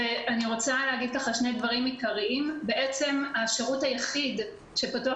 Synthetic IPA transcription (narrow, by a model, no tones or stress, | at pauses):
eʔaniʁo̞t͡saleːɡid̪̚kaχalʃne̞jd̪vaʁimikaʁiʔimbe̞ʔe̞t͡se̞maʃeʁuthajaχid | ʃepatua